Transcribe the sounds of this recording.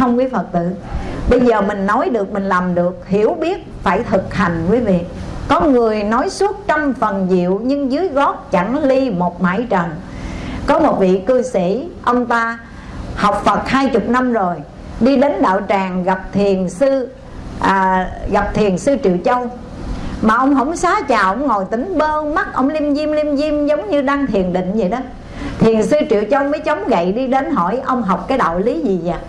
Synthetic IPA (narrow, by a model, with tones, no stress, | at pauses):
ə˧wŋ͡mkwi˨˦fə˨˩t̚t̪ɨ̰˧˨ɓə˧jzəː˨˩mï˨˩ŋ̟nɔ˨˦jɗɨ˨˩ək̚mï˨˩ŋ̟laː˨˩mɗɨ˨˩ək̚hi˧˩əwɓi˦˥ət̚faː˧˩jt̪ʰɨ˨˩k̚ha˨˩jŋ̟kwi˨˦vḭ˨˧˨kɔ˨˦ŋɨ˨˩əjnɔ˨˦jsu˦˥ət̚t͡ɕa˧wmfə˨˩nzḭ˧˨əwɲɨ˧ŋzɨ˨˦jɣɔ˦˥t̚t͡ɕa˧˩ŋli˧mo˨˩t̚ma̰ː˧˥jt͡ɕə˨˩nkɔ˨˦mo˨˩t̚vḭ˧˨kɨ˧sḭ˧˩ʔə˧wŋ͡mt̪aː˧ | ha˨˩wk͡p̚fə˨˩t̚haː˧jt͡ɕʊ˨˩k͡p̚na˧mzo˨˩j | ɗi˧ɗe˨˦nɗa̰ː˧˨wt͡ɕaː˨˩ŋɣa˨˩p̚t̪ʰi˨˩ənsɨ˧ | ʔəː˨˩ɣa˨˩p̚t̪ʰi˨˩ənsɨ˧t͡ɕɨ̰˧˨ət͡ɕə˧wŋ͡m | maː˨˩ʔə˧wŋ͡mɦə̰˧˥wŋ͡msaː˨˦t͡ɕaː˨˩ʔə˧˩wŋ͡mŋo˨˩jt̪ï˨˦ŋ̟ɓəː˧ma˦˥t̚ʔə̰˧wŋ͡mli˧mzi˧mli˧mzi˧mzə˨˦wŋ͡mɲɨ˧ɗaː˧ŋt̪ʰi˨˩ənɗḭ˧˨ŋ̟zi˨˩jɗɔ˨˦ | t̪ʰi˨˩ənsɨ˧t͡ɕɨ̰˧˨ət͡ɕə˧wŋ͡mməː˨˦jt͡ɕə˨˦wŋ͡mɣə̰˧˨jɗi˧ɗe˨˦nɦɔ̰˧˩jʔə˧wŋ͡mɦa˨˩wk͡p̚kaː˨˦jɗa̰ː˧˨wli˨˦zi˨˩za̰ː˨˩